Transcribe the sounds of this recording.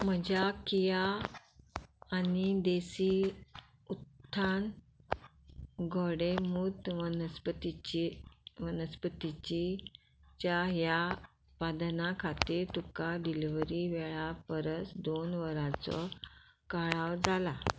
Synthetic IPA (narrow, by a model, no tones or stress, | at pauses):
m̤əd͡ʑjakija | nid̪esi | ut̪ʰːan | ɡʱɔɽemut̪ʋənspət̪it͡ɕiʋənəspət̪it͡ɕi | t͡ɕjaɦja | pad̪nakʰat̪iːɾt̪ukaɖiliʋɾiʋɛɭapəɾət͡sd̪onʋəɾat͡sɔ̰ | kaɭawd͡zala